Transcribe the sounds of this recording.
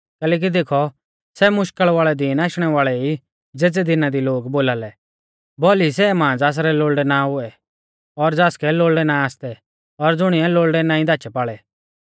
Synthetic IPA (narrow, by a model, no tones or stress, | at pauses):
kɛːleːk̬id̪eːkʰɔ | sɛmʊʃkəɭʋaːɭɛd̪iːnaːʃɽ̃ɛʋaːɭɛi | d͡zeːd͡zɛd̪ɪnad̪iloːɡboːlaːlɛ | bɔːlis̬ɛmãːd͡zaːs̬ɾɛloːɭɖɛnaɦʊɛ | ɔɾd͡zaːskɛloːɭɖɛnaaːst̪ɛ | ɔɾd͡zʊɽ̃ɪɛloːɭɖɛnãːĩd̪aːt͡ʃɛpaːɭɛ